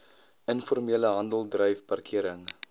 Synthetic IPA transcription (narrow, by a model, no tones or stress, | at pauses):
ənfɔrmiələɦɐndəlˠdrœjfpɐrkʰiəɾəŋ